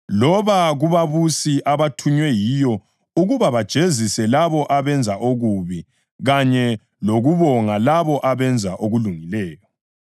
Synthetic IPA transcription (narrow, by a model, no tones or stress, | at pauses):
lɔβaɣuβaβusiʔaβatʰuɲwɛjijɔ | uɣuβaβad̥ʒ̥ʱezisɛlaβɔʔaβɛnd͡zʱaʔoɣuβi | ɣaɲɛ | loɣuβɔŋalaβɔʔaβɛnd͡zʱaʔoɣuluŋilɛːjɔ